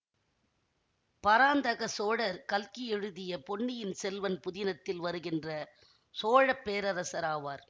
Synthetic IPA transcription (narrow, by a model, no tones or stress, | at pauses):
pɐɾaːnd̪ɐɣɐsoːɻɐɾkɐlkɪɛɻɯðɪjɐpɔɳːɪjɪnsɛlʋɐnpʊðɪnɐt̪ːɪlʋɐɾɯɣɪndrɐ | soːɻɐpːeːɾɐɾɐsɐɾaːʋaːɾ